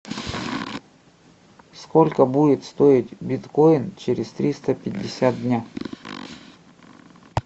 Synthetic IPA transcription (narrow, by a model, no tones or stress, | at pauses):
skolʲkəbudʲɪt̪st̪o̞ɪtʲbʲɪt̪ko̞ɪnt͡ɕeɾʲɪst̪ɾʲist̪əpʲɪdʲːɪsʲat̪̚dʲnʲa